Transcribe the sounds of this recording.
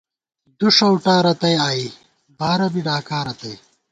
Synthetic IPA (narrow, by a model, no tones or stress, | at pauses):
d̪uʂɐwʈaːɾɐt̪ɐjaːi | baːɾɐbiɖaːkaːɾɐt̪ɐj